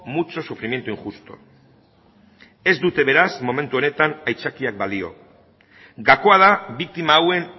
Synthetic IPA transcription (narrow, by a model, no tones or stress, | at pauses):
mut͡ʃo̞sufɾimje̞nt̪uiŋxust̪o̞̰ | e̞zd̪ut̪e̞β̞e̞ɾasmo̞me̞nt̪uone̞t̪anajt͡sakiak̚balio̞̰ | ɡako̞að̞aβik̚t̪imaːwe̞n